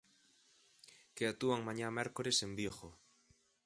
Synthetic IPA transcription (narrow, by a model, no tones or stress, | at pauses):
keat̪uaŋmãɲamɛɾkoɾesembjoxo